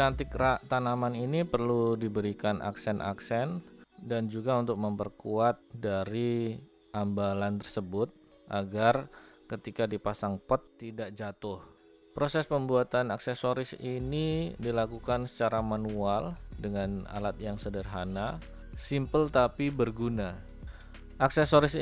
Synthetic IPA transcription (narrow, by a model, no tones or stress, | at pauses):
t͡ʃant̪ɪkrat̪anamaninipərludibəɾikanʔa̰ksɛnʔa̰ksɛndand͡ʒuɡaunt̪ʊk̚məmpərkuat̪̚daɾi | ʔambalant̪ərsəbʊt̪̚ | ʔaɡarkət̪ikadipasaŋpɔt̪ːidaʔd͡ʒat̪ʊh | pɾosɛspəmbuat̪anaksɛsoɾɪsinidilakukansə̥t͡ʃaɾamanualdəŋana̰lat̪̚jaŋsədərɦana | simpəlt̪apibərɡuna | ʔaksɛsoɾɪs